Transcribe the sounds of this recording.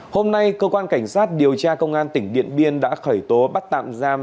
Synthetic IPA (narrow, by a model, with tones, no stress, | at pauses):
ho˧mna˧jkəː˧kwaː˧nka˧˩jŋ̟saː˦˥t̚ɗi˨˩əwt͡ɕaː˧kə˧wŋ͡mʔaː˧nt̪ï˧˩ŋ̟ɗḭ˧˨ənɓi˧ənɗa̰ː˧˥xəː˧˩jt̪o˨˦ɓa˦˥t̚t̪a̰ː˧˨mzaː˧m